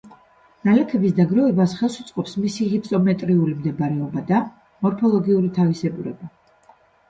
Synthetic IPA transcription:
nalɛkʰɛbisd̪aɡɾɔɛbasχɛlˠsut̪sʼqʼɔpsmisihipʰt̪ʼɔmɛt̪ʼɾiulimd̪ɛbaɾɛɔbad̪a | mɔɾpʰɔlˠɔɡiuɾit̪ʰavisɛbuɾɛ̰ba

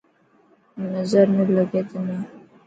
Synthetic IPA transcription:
nəzəɾnələɡet̪ne

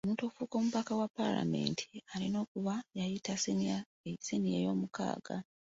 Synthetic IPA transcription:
omuːntoːfuːko̞muβakawapːa̰la̰me̞̰ːntʰi̥alino̞ːkuβajajita | senijḛjo̞muka̰ːɡ̥a̰

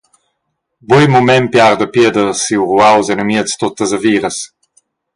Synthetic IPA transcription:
bujmumɛmpjaɾd̪əpjed̪əsiwʁuawzenəmiəst̪ot̪ːəzɐviːɾəs

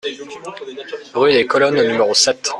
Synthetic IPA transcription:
ʁyd̪ekɔlɔnonymeʁosɛt̪

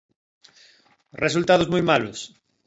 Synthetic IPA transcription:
res̬ult̪aðʊzmujmalʊ̰s

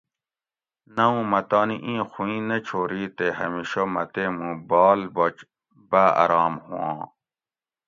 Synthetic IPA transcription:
nɐũmɐt̪ɑːniʔĩːxuĩːnet͡ɕʰoːɾiːt̪ehɐ̰miɕomɐt̪emũbɑːlbot͡ɕ | baɐ̰ɾɑːmhṵ̃ã̰ː

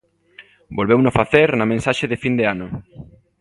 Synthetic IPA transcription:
bolβewnofaθeɾnamẽnsaʃeðɪfind̪eanʊ

